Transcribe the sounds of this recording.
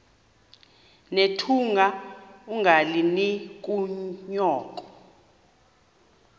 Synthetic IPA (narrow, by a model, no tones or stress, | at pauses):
netʰuŋɡʱauŋʱalinik̬ʼuɲɔːk̬ʼɔ̥